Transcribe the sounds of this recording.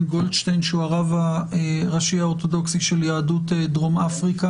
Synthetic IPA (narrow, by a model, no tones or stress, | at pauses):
ɡoldʃtejnʃuaʁavaeʁaʃiaot̪o̞do̞ksiʃeljaːdutedʁomafʁika